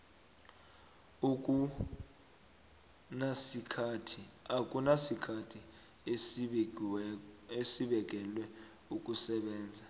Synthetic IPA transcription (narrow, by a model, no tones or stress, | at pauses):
uk̬ʼu | nasikʰatʰiak̬ʼunasikʰatʰi | e | esiɓɛk̬ʼɛlwɛ | uk̬ʼusɛɓɛːnd͡zʱa